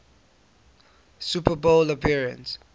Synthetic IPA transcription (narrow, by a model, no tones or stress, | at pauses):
supʰəboləpʰiɹə̰̃ns